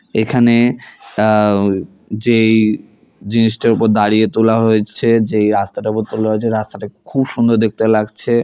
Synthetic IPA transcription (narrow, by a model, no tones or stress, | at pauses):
ekʰane | d͡ʑej | d͡ʑiniʃʈaɾupoɾd̪aɾiet̪olaɦoet͡ɕʰed͡ʑejɾast̪aʈaupoɾt̪olaɦoet͡ɕʰeɾast̪aʈakʰubʃund̪oɾd̪ek̚t̪elaɡt͡ɕʰe